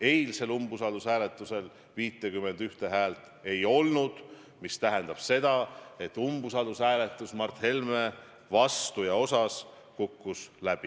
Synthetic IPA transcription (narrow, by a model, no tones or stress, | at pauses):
e̞jlse̞lumbusɑd̪usæːle̞t̪ːˑuse̞l | viːt̪ːˑekymːe̞nd̪yht̪e̞ɦæːlt̪ˑ | e̞jo̞lnud̪̥ | mist̪æɦɛnd̪̥ɑb̥se̞d̪̥ɑe̞t̪ːˑumb̥usɑd̪usæːle̞t̪ːˑusmɑrt̪he̞lme | vɑst̪ujɑo̞sɑs | kukːuslæb̥i